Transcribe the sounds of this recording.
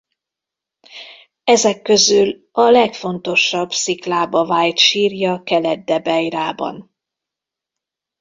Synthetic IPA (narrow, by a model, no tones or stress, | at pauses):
ɛzɛkːø̞zyl | ɒlɛkfo̞nt̪o̞ʃːɒbsiklaːbɒvaːjt̪ʃiːrjɒkɛlɛd̪̚dːɛbɛjraːbɒ̰n